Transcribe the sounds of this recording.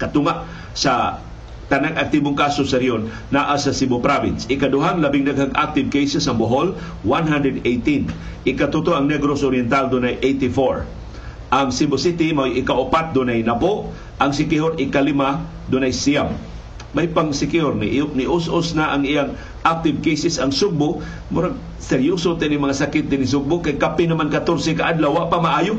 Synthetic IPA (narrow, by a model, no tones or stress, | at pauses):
kɐt̪ʊŋaʔ | sa | t̪anaŋʔak̚t̪iboŋkasosɐɾionː | aʔasɐsibopɾabɪnsɪkad̪ʊɦaŋlɐbɪŋnaɡhaɡʔa̰k̚t̪ɪv̚kejsɛsɐŋboɦol | wanɦand̪ɾɛd̪ejt̪in | ʔɪkat̪ut̪oɐŋnɛɡɾosoɾjɛnt̪ald̪ʊnajʔejt̪ɪfoɹ | ʔaŋsibosɪt̪ɪmajʔɪkaʔʊpat̪̚d̪ʊnajnapoʔ | ʔɐŋsɪkɪhoɾɪkalɪma | d̪ʊnajsiamː | ajpaŋsɪkɪoɾnɪʔnɪʔʊsʔosnaʔaŋɪjaŋ | ʔak̚t̪ɪvkejsɛsɐŋsʊɡ̚bʊʔ | mʊɾaɡ̚ | sɛɾjʊsʊt̪ɛnimɐŋasakɪt̪̚d̪ɪnɪs̬ʊɡ̚bʊʔkajkapɪnɐmankat̪oɾsɛkaʔad̪lawːaʔpamaʔaːjʊ